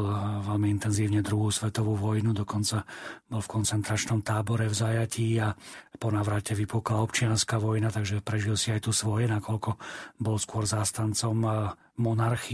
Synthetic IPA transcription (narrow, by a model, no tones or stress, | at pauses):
lʋɛlmiint̪ɛnziːʊɲɛd̪ɾuɦuːsʋɛt̪ɔʋuːʋɔjnud̪ɔkɔnt͡sabɔlfkɔnt͡sɛnt̪ɾat͡ʃnɔmt̪aːbɔɾɛvzajaciːapɔnaːʋɾacɛʋipuklaɔpt͡ʃɪanskaʋɔjnat̪aɡʒɛpɾɛʒilsiajt̪usʋɔjɛnakɔʎkɔbɔlskʊɔɾzaːst̪ant͡sɔmː | ɔnaɾx